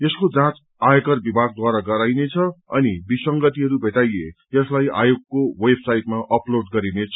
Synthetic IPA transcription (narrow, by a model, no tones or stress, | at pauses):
jʌskod͡zãt͡s | ajekʌrbibʱaɡ̚d̪waɾaɡʌɾajnet͡sʰʌʌ̰nibisʌŋɡʌt̪iɦʌɾubʱeʈajejʌslaja̰joɡkːowebsajʈmaʔʌploɖɡʌɾinet͡sʰʌ